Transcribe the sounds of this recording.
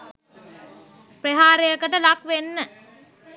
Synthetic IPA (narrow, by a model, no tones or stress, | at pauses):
preɦaːɾejəkəʈəlakʋenːə